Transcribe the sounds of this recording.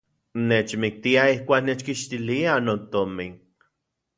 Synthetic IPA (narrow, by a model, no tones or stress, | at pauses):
net͡ʃmik̚t̪iaihkʷaːknet͡ʃkiʃt̪ilianot̪omin